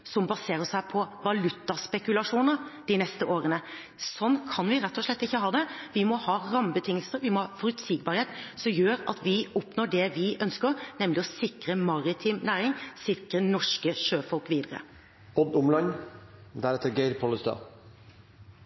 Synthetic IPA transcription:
sɔmbɑseːɾəʂæɪpʰɔʋɑlʉt̪ːɑspɛkʉlɑʂuːnəɾd̪̥ɪnɛst̪əʔoːɾənə | sɔnːkʰɑnʋɪɾɛt̪ːɔʂɭɛt̪ːɪçːəhɑːd̪ɛʋɪmɔhɑːɾɑmbət̪ʰɪŋːəlsəɾʋɪmɔhɑfɔɾʉt̪siːɡbɑːɾheːt̪sɔmjøːɾɑ̰t̪ʋɪɔpnɔːɖɛʋɪʔœnskəɾnɛmlɪɔsɪkɾəmɑɾɪt̪ʰiːmnæːɾɪŋsɪkɾənɔʂkəʂøːfɔlkʋiːd̪əɾə̰ | ɔb̪ʊmlɑnd̪æɾɛt̪əɾɡeɪɾpʰɔləst̪ɑ̰ː

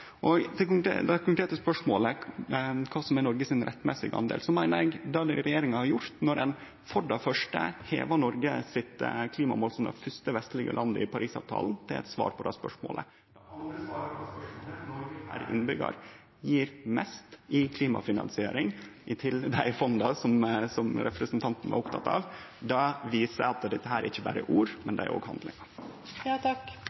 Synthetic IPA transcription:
ʔɔɡd̪ɛkʊŋ̰ːd̪ɛkʰʊŋkɾeːt̪əspœʂmoːlə | kʰɑːsɔmɛnɔɾɡəsɪnɾʔɛt̪ːmɛsɪ̰ɡɑ̰nd̪ḛːlsɔmæɪnəɾɛɡd̪ɑd̪ɛɾɛjeːɾɪŋɑhɑɾjʊɾt̪nɔɾɛn | fɔɖɑfœʂʈə̰hḛːʋɑnɔɾɡəsɪt̪kʰliːmɑmoːlsɔmd̪ɛ̰fʏst̪əʋɛst̪lɪɡə̰lʔɑnd̪əɪpʰɑɾʔiːsɑ̰ːʋt̪ʰɑ̰ːln̩t̪ʰɪlɛ̰t̪sʋɑ̰ːɾpʰɔd̪æspœ̰ʂmo̰ːlə̰ | d̪ɛɑnd̪ɾəsɑːɾspœʂmoːlənɔɾɡəhæ̰ːɾʔɪ̰nːbʏɡɑ̰ɾ | jiːɾmɛst̪ɪkʰliːmɑ̰fɪnɑ̰nsɪḛːɾɪŋʔɪt̪ʰɪld̪æɪfɔnd̪ɑsɔmsɔmɾɛpɾəsnt̪ʰɑnt̪n̩ʋɑ̰ɾʊpt̪ʰɑt̪ɑːʋd̪ɑʋiːsəɑt̪d̪ɛt̪ːəɦæːɾæɾɪçːəbæːɾəʔuːɾmɛnd̪ɛæ̰ɾʔo̰ːɡhɑnd̪lɪ̰ŋɑ | ɑk

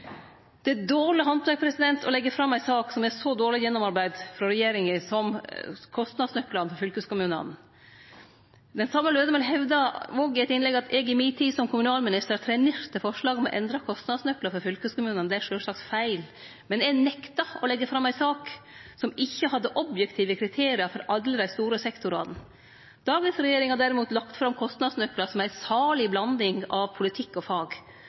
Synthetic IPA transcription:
d̪̥ɛd̪oːɭɪɦɑnʰʋæk̚pʰɾɛsɪd̪ɛnt̪ʰɔlɛɡːəfɾɑmːæɪsɑːksɔmɛsɔd̪oːɾɭɪjɛnːɔmɑɾbæɪd̪fɾɔɾɛjeːɾɪŋəsɔmkʰɔst̪nɑd̪snœklɑnfɔɾfʏlkəskʊmʉːnə̰n | d̪ɛnsɑmːəløːd̪əmənɦɛʋd̪ɑoɡɪæɛt̪ɪnlɛɡɑt̪ʰɛɡɪmiːt̪ʰiːsɔmkʰʊmʉnɑːlmɪnɪst̪əɾt̪ʰɾɛneɾt̪əfɔʂɭɑːɡɔmɔ̰ʔɛ̰nd̪ɾɑkʰɔst̪nɑd̪snœkləfɔɾfʏlkʉskʊmʉːnənd̪ɛæʂøːʂɭɑksfæɪl | mɛnd̪ɛænɛkt̪ɑɔlɛɡːəfɾɑmːæɪsɑːksɔmɪçːəhɑd̪ːəʔɔbjɛkt̪ʰiːʋəkʰɾɪt̪ʰeːɾɪɑfɔɾʔɑllːəd̪æɪst̪uːɾəsɛkt̪ʊɾɑ̰ːt̪n̩ | d̪̥ɑːɡənsɾɛjeːɾɪŋhɑɖ̪æːɾɪmuːt̪lɑkt̪fɾɑmkʰɔst̪nɑd̪snœkːlɑsɔmæɪsɑːɭɪblɑnd̪ɪŋɑʋpʰʊlɪt̪ʰɪkːɔfɑːɡ

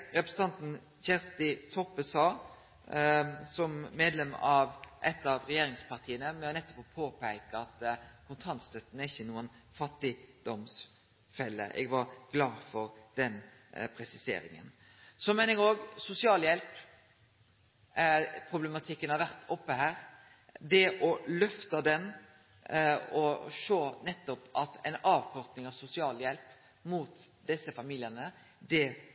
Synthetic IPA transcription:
ɾɛpɾəsn̩t̪ɑnt̪n̩ | çɛʁst̪ɪt̪ʰɔpːəsɑː | sɔmmeːd̪lɛmɑʋʔɛt̪ːɑʋɾɛjeːɾɪŋspʰɑʁt̪ʰiːənəmɛɔnɛt̪ːɔ̥popʰoːpæɪkəɑt̪kʰʊnt̪ʰɑnt̪st̪œt̪ːn̩æɾɪçːənuːən | fɑt̪ːɪd̪̥ɔms | fɛlːə̰ʔɛ̰ɡʋɑɾɡ̥lɑːfɔɾd̪ɛn | pʰɾɛsɪsḛːɾɪ̰ŋə̰n | sɔmɛɪnəəɾoːɡsʊsɪɑːljɛlp | pʰɾʊblɛmɑt̪ʰɪkːənhɑɾʋæʁt̪ʰɔpːəhæːɾ | d̪ɛʔɔlœft̪ɑd̪ɛn | ɔʂoːnɛt̪ːɔpɑt̪ɛɪnɑːʋkʰɔɾt̪nɪŋɑʋsʊsɪɑːljɛlp | muːt̪d̪ɛsːəfɑmiːlɪənə | d̪ɛ

